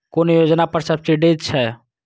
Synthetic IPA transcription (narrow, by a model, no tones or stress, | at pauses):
koːnjoːd͡ʒnapəɾsəbsiɖeːt̪̚t͡ʃʰɛ